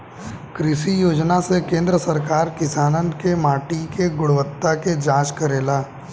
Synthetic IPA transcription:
kɾɪʃijoːd͡ʒnasekẽːnd̪ɾəsɐɾkaːɾkɪsaːnənkemaːʈikeɡʊɽʋət̪ːaked͡ʒãːt͡ʃkɐɾeːlaː

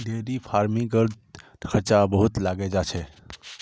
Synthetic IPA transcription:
d̪ʱeːɾipʰaːɾmĩɡəɾd | kʰəɾt͡ʃabəɦʊt̪laːɡed͡ʒaːt͡ʃʰɛ

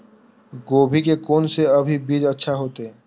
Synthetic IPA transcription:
ɡoːbʱikekoːnseɐbʱibiːd͡ʒətːʃʰaɦoːt̪eɦɛ̃ː

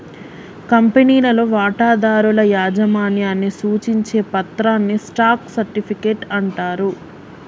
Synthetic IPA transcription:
kɐmpeniːlɐlo̞ːʋaːʈaːd̪aːɾulɐjaːd͡ʒɐmaːniɐnisuːt͡ʃiɲt͡ʃe̞ːpɐt̪ɾaːnːisʈaːksɐɾʈipʰikeːʈɐɳʈaːɾu

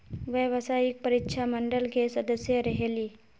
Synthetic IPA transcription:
ʋjəʋəsaːɪk̚pɐɾɪtːʃʰamə̃ɳɖəlkesɐd̪əsjəɾɐɦeliː

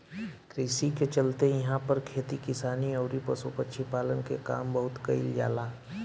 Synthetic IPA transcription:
kɾiːsiket͡ʃɐlt̪ejɐɦãpɐɾkʰeːt̪ikɪsaːniɔːɾipɐsupətːʃʰipaːlənkeka̰ːmbɐɦʊt̪kɐḭld͡ʒa̰ːlaː

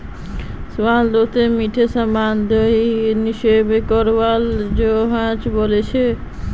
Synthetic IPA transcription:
sʋald̪ot̪emiʈʰesamand̪oɦiniʃebekɔɾʋald͡ʒoɦãt͡ʃbolet͡ɕʰe

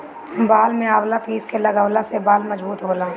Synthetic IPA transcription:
baːlmẽaːʋlapiːskelɐɡəwlasebaːlmɐd͡ʒbuːt̪ɦoːlaː

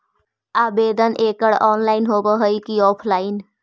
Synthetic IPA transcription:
aːbeːd̪ənʔeːkəɽɔːnlaːɪnɦoːbəɦəikiɔːpʰlaːɪn

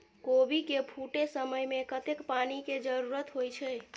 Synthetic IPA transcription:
kobʱikepʰuʈesəməjmekət̪ekpaniked͡ʒəɾuɾət̪ɦojt͡ʃʰɛ

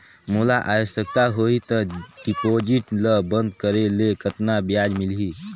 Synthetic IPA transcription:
mulaʔaːjsək̚t̪aɦoit̪əɖipoːd͡ʒɪʈləbə̃nd̪kəɾelekət̪nabjaːd͡ʒmɪlɦi

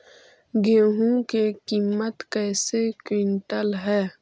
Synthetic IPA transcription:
ɡeːɦũkekiːmːət̪kɛːsekwɪɳʈəlɦɛː

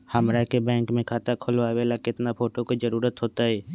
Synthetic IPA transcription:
həmɾakebɛ̃ːŋkmẽkʰaːt̪akʰʊlʋaʋeːlakɪt̪napʰoːʈokad͡ʒəɾuːɾət̪ɦoːt̪aɦɛː

